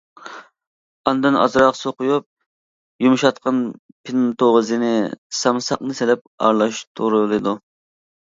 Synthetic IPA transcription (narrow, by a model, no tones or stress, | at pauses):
ɑnd̪ɨnɑ̰zɾɑqsoqʊjup̚ | jumʃɑt̪̚qʰɑn | pʰɪnt̪oʁəzɨnɪsɑmsɑqnɨsɪlɛp̚ɑ̰ɾlˠɑʃt̪ʰuɾɨlˠɨd̪u